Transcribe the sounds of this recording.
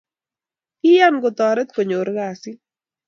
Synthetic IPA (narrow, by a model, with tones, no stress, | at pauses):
ɪ˦ja˦nɡʊ˨t̪ɔ˨ɾɛ˦t̪̚ko˨ɲo˨ɾɡa˨sɪ˦